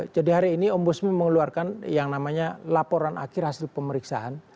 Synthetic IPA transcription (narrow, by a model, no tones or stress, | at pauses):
d͡ʒadiɦaɾiːniɔmbɔsmiməŋəluarkanjaŋnamaɲalapoɾanʔa̰kɪrhasɪlpəməɾiksa̰ʔan